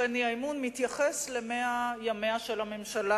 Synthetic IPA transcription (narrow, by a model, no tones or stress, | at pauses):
eniaimunmit̪jaχesle̞meajameaʃe̞lame̞mʃala